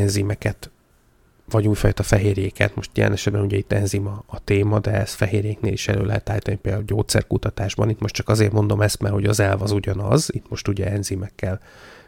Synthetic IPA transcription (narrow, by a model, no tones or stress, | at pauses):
ɛnzimɛkɛt̪ | vɒɟuːjfɒːjt̪ɒfɛɦeːrjeːkɛ̰nt̪mo̞ʃt̪jɛ̰lɛ̰nɛʃɛd̪̚bɛnuɟɛit̪ːɛnzimɒːt̪eːmɒd̪ɛɛst̪fɛɦeːrjeːknḛːliʃɛløːlɛɦɛt̪aːit̪ɒnipeːld̪auɟoːt̪sɛ̰rkut̪ɒt̪aːʒbɒ̰nit̪mo̞ʃtt͡ʃɒkɒzeːrmo̞nd̪o̞mɛst̪mɛrho̞ɟɒzɛlvɒzuɟɒnɒzit̪mo̞ʃt̪uɟɛɛnzimɛkːɛl